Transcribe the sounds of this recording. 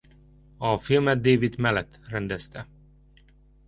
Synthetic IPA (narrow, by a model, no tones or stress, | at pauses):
ɒfilmɛd̪̚d̪eːvid̪mɛlɛt̪ːrɛnd̪ɛst̪ɛ